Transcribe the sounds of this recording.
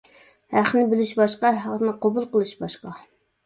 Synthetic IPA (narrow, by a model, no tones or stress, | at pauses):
hæχnɪbɪlɪʃbɑʃqɑɦɑʁnɨqobulˠqəlˠɨʃbɑʃqɑ